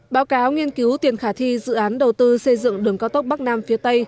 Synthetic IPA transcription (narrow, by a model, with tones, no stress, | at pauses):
ɓaː˨˦wkaː˨˦wŋi˧ənki˨˦wt̪i˨˩ənxaː˧˩t̪ʰi˧zɨ̰˧˨ʔaː˨˦nɗə˨˩wt̪ɨ˧sə˧jzɨ̰˧˨ŋɗɨ˨˩əŋkaː˧wt̪ə˦˥k͡p̚ɓk̚naː˧mfi˨˦ət̪ə˧j